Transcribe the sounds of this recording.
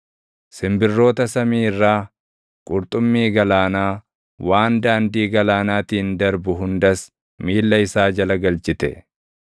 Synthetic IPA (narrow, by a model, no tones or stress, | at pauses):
sɪmbɪrːo̞ːt̪ɐsɐmiːɪrːaː | kʼʊɾt̪ʼʊmːiːɡɐlaːnaː | wʔaːnd̪aːnd̪iːɡɐlaːnaːt̪iːnd̪ɐɾbʊɦʊnd̪ɐs | miːlːɐɪsaːd͡ʒɐlɐɡɐlt͡ʃʼɪt̪ɛ̰